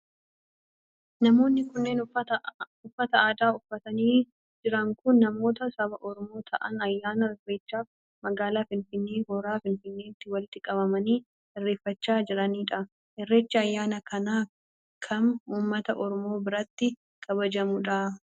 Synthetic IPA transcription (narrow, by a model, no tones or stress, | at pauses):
nɐmo̞ːnːɪkʊnːe̞ːn | ʊfːɐt̪ɐaːd̪aːʊfːɐt̪ɐniː | d͡ʒɪɾɐŋkʊnːɐmo̞ːt̪ɐsɐbɐʔɔɾɔmo̞ːt̪ʰɐʔɐ̰nɐjːaːnɐɛrːeːt͡ʃːaːf | mɐɡaːlaːfɪnfɪnːeːhɔɾaːfɪnfɪnːe̞ːt̪ːɪwɐlɪt̪ːɪkʼɐβɐmɐniː | ɪrːe̞ːfːɐt͡ʃːaːd͡ʒɪɾɐniːᶑɐ | hɛrːeːt͡ʃːɐjːaːnɐkʰɐnaː | kʰɐmuːmːɐt̪ɐʔɔɾɔmo̞ːbɪɾɐt̪ːɪ | kʰɐβɐd͡ʒɐmʊᶑɐ